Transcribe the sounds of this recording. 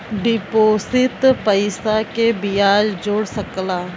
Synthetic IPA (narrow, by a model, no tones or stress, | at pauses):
ɖɪpoːsɪt̪pəɪsakebɪjaːd͡ʒd͡ʒoːɽsəklaː